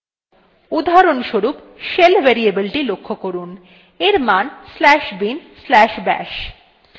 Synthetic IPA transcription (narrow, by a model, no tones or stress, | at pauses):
ud̪ʱaɾonʃoɾup | ʃelvʱeɾiebilʈilokʰːokoɾun | eɾmanslɛʃbinslɛʃbɛ̰ʃ